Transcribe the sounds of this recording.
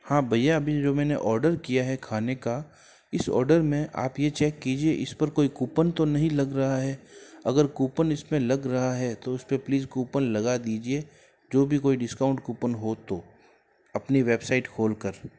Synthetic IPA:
hãːbʱɐjːaɐbid͡ʒoːmɛ̃ːnḛʔɔːɾɖəɾkijaɦɛkʰaːneka | ɪsɔ̰ːɾɖəɾmẽʔa̰ːpjet͡ʃɛːkːiːd͡ʒieʔɪspɐɾkoːikuːpənt̪onɐɦĩlɐɡɾɐɦaɦɛːɐɡəɾkuːpənɪsmẽlɐɡɾɐɦaɦɛt̪oʊspẽpliːzkuːpənlɐɡad̪iːd͡ʒie | d͡ʒoːbʱikoːiɖɪskaːʊ̃ɳʈkuːpənɦot̪oː | ɐpniʋeːbsaːɪʈkʰoːlkɐɾ

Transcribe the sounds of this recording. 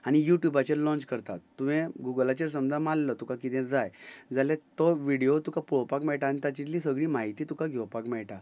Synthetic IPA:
añijuʈjubat͡ɕeɾlɔ̃nt͡ɕkəɾt̪at̪ːuʋẽɡuɡəlat͡ɕeɾsəmd͡zʱãmalːət̪ũkakit̪ɛ̃d͡zajd͡zalẽt̪ɔʋiɽijot̪ukapuɭpakmɛɭʈaːñit̪at͡ɕit̪lisəɡɭiːmaɦit̪iːt̪ũkaɡʱewpakmɛɭʈa

